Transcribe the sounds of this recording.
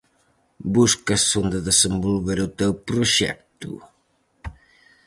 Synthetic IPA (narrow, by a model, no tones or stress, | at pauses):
buskɐsond̪əðesembolβeɾut̪ewpɾuʃɛ̰k̚t̪ṵ